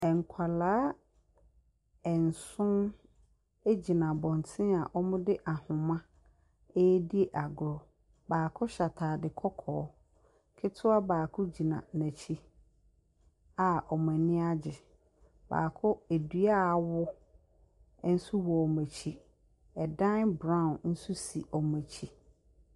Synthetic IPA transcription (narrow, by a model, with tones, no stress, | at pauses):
ɛ˨ŋ˨kʷʰa˨laː˦ | ɛ˨n̩˨sʊ̃˦n | e˦d͡ʑi˨nã˨bɔ̃˨n˨tʰɪ̃˦a˨ʔɔ˦mʊ̃˦dɪ˦ʔa˨hʊ̃˨mã˦ | e˦di˦e˦ʔa˨ɡʊ˨ɾɔ˨ | baː˨kʰʊ˦ɕa˨tʰaː˨dɪ˨kʰɔ˦kʰɔː˨˦ | kʰɪ˦tʰʊ˦a˦baː˨kʰʊ˦d͡ʑi˨nã̰˨næ̃˨t͡ɕʰi˦ | a˨ɔ˨m˨æ̃˨nɪ̃˦a˦d͡ʑɪ˨ | ba̰ː˨kʰʊ˦e˨dɥa˦˨wʊ˦ | n̩˦su˦wɔ˨ɔ˨mæ̃˨t͡ɕʰi˦ | ɛ˨dã˦nbɾã˦ʊ̃˨n̩˦su˦si˨ʔɔ˨mæ˨t͡ɕʰi˦